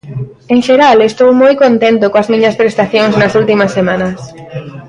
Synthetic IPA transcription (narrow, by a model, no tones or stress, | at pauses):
eŋʃeɾalest̪owmojkont̪ent̪okõɐzmĩɲɐspɾest̪aθjoŋznɐsult̪imɐsːemãnɐs